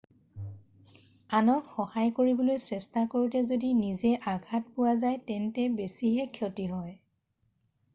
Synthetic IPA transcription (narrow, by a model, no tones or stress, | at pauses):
anɔtxɔhajkoɹibɔlojsɛstakoɹitɛzodinizɛʔaɡʱat̚pʊwazajtɛntɛbesiɦɛkʰjotiɦɔj